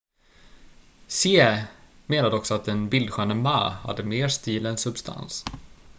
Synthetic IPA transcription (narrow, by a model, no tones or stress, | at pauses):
seːmeːnad̪əɔksɔat̪̚d̪ɛnbɪld̪ɧœːnəma̰ːha̰d̪ːəmeːʂt̪iːlɛnsɵbst̪ʰa̰ns